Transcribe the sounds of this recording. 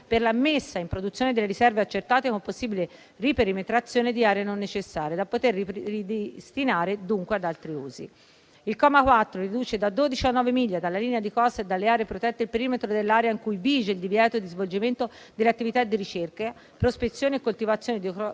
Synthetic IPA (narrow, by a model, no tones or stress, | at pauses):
perlamːesːaimpɾod̪ut̪sjoːned̪elːeɾisɛrveat͡ʃːert̪aːt̪ekomposːiːbile | ripeɾimet̪ɾat̪sːjoːned̪iaːɾeanonːet͡ʃesːaːɾjead̪apːot̪eririd̪est̪inaːɾed̪uŋkwead̪alt̪ɾiṵːzḭ | ilkɔːmakwat̪ːɾorid̪uːt͡ʃed̪ad̪oːd̪it͡ʃianːɔːvemiʎːad̪alːaliːnead̪ikɔsaed̪ːalːeaːɾepɾot̪ɛt̪ːeilpeɾiːmet̪ɾod̪elːaːɾjaiŋkujviːd͡ʒeild̪ivjɛːt̪od̪izvold͡ʒiment̪o | d̪elːat̪ːivit̪ad̪ːiɾit͡ʃerka | pɾospet̪sːjoːnekːolt̪ivat̪sːjoːned̪i